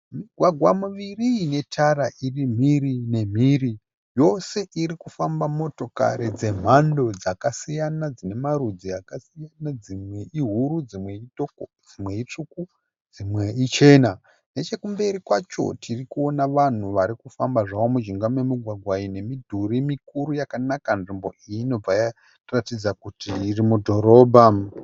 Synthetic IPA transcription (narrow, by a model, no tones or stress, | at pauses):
miɡʱwaɡʱwamuʋiriːne̞tʰaɾaʔirim̤irine̞m̤iːri | jo̞se̞ʔiɾikufambamo̞to̞ka̰ɾed͡ze̞m̤ando̞d͡zakasijanad͡zine̞maɾud͡ziakasijanad͡zimwe̞ʔiɦuɾud͡zimweito | d͡zimwe̞it͡ʂuku | d͡zimweit͡ʃe̞ːna | ne̞t͡ʃe̞kumbe̞ɾikwat͡ʃo̞̰tʰirikuo̞naʋan̤uʋaɾikufambaʐaomuʒiŋɡamwe̞miɡʱwaɡʱwaine̞midʱuɾimikuɾujakanakanʐimbo̞ʔijino̞b͡vaja | ratid͡zakutiːrimudʱo̞ɾo̞ːbʱa